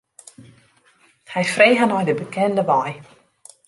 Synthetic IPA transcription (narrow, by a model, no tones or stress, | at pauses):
hɛjfreːɣənɔjdəbəkʰɛndəʋɔj